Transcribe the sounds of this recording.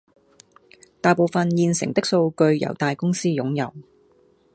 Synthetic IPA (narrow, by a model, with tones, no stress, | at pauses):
t̪aː˨jpo˨wfɐ˨njiː˨˧nsɪ̰˨˩ŋt̪ɪ˥k̚so˧wkɵ˧ɥjɐ̰˨˩wt̪aː˨jkʊ˥ŋsiː˥jʊ˨˥ŋjɐ̰˨˩w